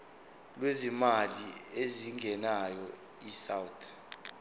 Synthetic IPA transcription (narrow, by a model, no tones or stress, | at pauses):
lwezimalieziŋɡʱɛnajɔ | isawtʰ